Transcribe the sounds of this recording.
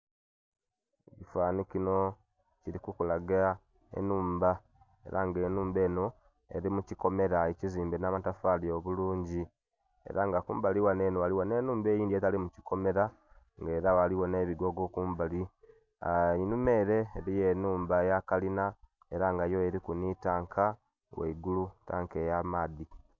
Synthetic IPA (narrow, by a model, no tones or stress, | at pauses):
ecifaːnikino̞ | ciɾikukulaɡa | ḛnuːmba | e̞̰ɾaŋɡe̞ːnuːmbe̞ːno̞ | ḛɾimuciko̞me̞ɾaeciziːmbenaːmatafaːlioβuluːɲɟi | e̞̰ɾaŋɡakuːmbaliwane̞ːnowaliwone̞ːnuːmbe̞ːjiːndietalimuci̥ko̞me̞ɾa | ŋɡe̞ːɾawaliwo̞ne̞βiɡo̞ɡo̞kuːmbali | inume̞ɾe̞ːɾije̞nuːmbajakalina | e̞ɾaŋɡajo̞eɾikunitaːŋkʰa | wḛiɡuluta̰ːŋkejamaːði